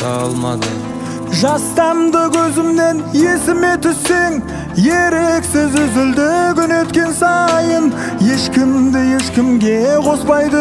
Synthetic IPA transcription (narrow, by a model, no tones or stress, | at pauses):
lˠm̰ | ʒɑst̪ɑmd̪əkʲʰɵzɪmne̞nje̞sɪme̞t̪ʰʏsːe̞ŋ | je̞ɾeksɪzʏzɪld̪ɪkʲʏne̞t̪kʲe̞nsɑjən | je̞ʃkʲɪmd̪ɪje̞ʃkʲɪmɡʲe̞qʰo̞spɑjd̪ə